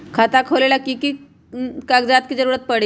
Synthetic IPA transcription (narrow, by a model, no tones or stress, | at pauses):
kʰat̪akʰolelakiki | kaɡd͡zat̪̚kid͡zəɾuɾət̪̚pəɽe